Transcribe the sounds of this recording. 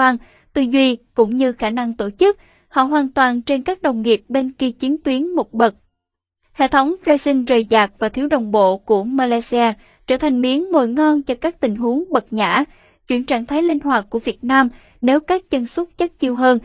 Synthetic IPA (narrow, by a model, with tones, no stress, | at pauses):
aː˧n | t̪ɨ˧˨˩zwi˧kʊ̰˧˥ŋ͡mɲɨ˧xaː˧˩na˧ŋt̪o˧˩t͡ɕɨ˦˥k̚ | hɔ̰˧˨ɦwaː˨˩nt̪waː˨˩nt͡ɕe˧nkaː˦˥k̚ɗə˨˩wŋ͡mŋi˨˩əp̚ɓe˧nki˧t͡ɕi˨˦nt̪wi˨˦ənmo˨˩t̚ɓə˨˩t̚ | hḛ˧˨t̪ʰə˨˦wŋ͡mzaː˧jsï˧ŋzəː˨˩jzaː˨˩k̚vaː˨˩t̪ʰi˨˦wɗə˨˩wŋ͡mɓo̰˧˨ku˧˩əmaː˧laː˧jsi˧aː˧ | t͡ɕəː˧˩t̪ʰa˨˩jŋ̟mi˨˦ənmo̰˧˨jŋɔ˧nt͡ɕɔ˧kaː˦˥k̚t̪ï˨˩ŋ̟ɦu˨˦əŋɓə˨˩t̚ɲa̰ː˧˩˥ | t͡ɕwḭ˧˩ənt͡ɕaː˧˩ŋt̪ʰaː˨˦jli˧n̟hwaː˨˩t̚ku˧˩əvi˨˩ət̚naː˧m | ne˨˦wkaː˦˥k̚t͡ɕə˧nsə˦˥t̚t͡ɕə˦˥t̚t͡ɕi˧əwɦəː˧n